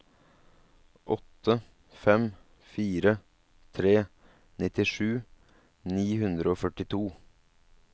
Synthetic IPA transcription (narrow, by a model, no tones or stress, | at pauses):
ʔɔt̪ʰːə | fɛm | fiːɾə | t̪ʰɾeː | nɪt̪ɪʂʉː | niːhʉnd̪ɾəoːfœʈɪt̪ʰuː